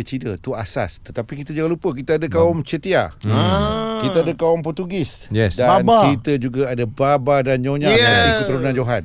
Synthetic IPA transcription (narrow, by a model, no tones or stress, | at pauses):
ət͡ʃidət̪uasa̰st̪ət̪apikit̪əd͡ʒaŋalupək̬it̪əadəkaɔmt͡ʃət̪ia̰ | kit̪əadəkaumpɔt̪uɡɪsjɛsdanakit̪əd͡ʒuɡaadababadand͡ʒoɲaaikut̪əɾunand͡ʒoɦan